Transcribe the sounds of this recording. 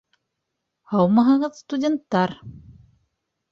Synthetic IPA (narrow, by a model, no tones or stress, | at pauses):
hɑwmɑɦɤʁɤðst̪udʲent̪ːɑɾ